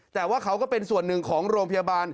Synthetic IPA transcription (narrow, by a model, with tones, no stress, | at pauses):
t̪ɛː˨˩waː˥˩kʰa˦˥wkɔː˥˩pe˧nsu˨˩ənːɯ˨˩ŋkʰɔː˩˦ŋɾoː˧ŋpʰa˧jaː˧baː˧n